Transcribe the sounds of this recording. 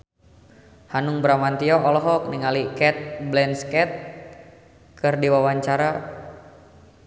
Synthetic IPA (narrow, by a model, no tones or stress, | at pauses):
hanuŋbəɾamant̪iɔɔlɔɦɔk̚niŋalikɛt̪̚blɛnskɛt̪̚ | kɨrdiwawaɲt͡ʃaɾa